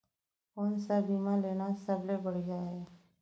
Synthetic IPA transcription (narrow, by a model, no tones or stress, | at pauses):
oːnsabimãleːnasəblebəɽ̤id͡ʒaɦɛː